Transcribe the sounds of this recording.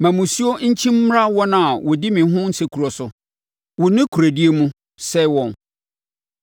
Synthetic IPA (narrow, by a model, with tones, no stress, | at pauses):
mã˨mũ˨si˦o˦ɲ̩˦t͡ɕʰĩ˦m̩˦m˦ɾa˦wɔ˦nã˦a˨wɔ˨dɪ˦mɪ̃˨˦ɦʊ̃˦n̩˦se˨kʰu˨ɾɔ˨sʊ˨ | wʊ˨nɪ̃˦kʰu˨ɾæ˨di˦e˦mũ˦ | sɛ˦wɔ̃˨n